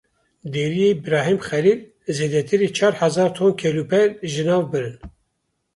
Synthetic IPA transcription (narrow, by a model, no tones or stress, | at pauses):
d̪eːɾijebɨɾɑːɦimxɛliːl | zeːd̪ɛt̪ʰɨɾiːt͡ʃʰɑːɾhɛzɑːɾt̪ʰoːnkʰeːlupʰɛɾʒɨnɑːvbɨɾɨn